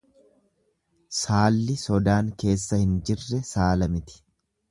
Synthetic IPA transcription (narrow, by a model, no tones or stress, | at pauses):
saːlːɪsɔd̪aːŋke̞ːsːɐhɪnd͡ʒɪrːɛsaːlɐmɪt̪ɪ̥